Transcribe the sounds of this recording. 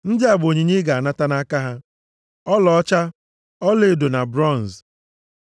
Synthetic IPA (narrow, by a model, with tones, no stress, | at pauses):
n̩˦dɪ˦a˨bo˨ɲe˨ɲe˦ɡa˨a˨na˦ta˦na˦ka˦ɦa˦ | ɔ˦lɔ˨ɔ˦t͡ʃa˦ | ɔ˦le˨do˨na˨bɾɔ˦˨n˨z